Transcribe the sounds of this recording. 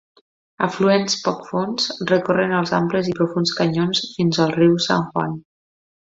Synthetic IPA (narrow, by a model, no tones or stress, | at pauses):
ə̰fluenspɔkfonsrəkorənəlˠza̰mpləzipɾufunskəɲonsfinzəlˠriwsa̰ŋʝwa̰n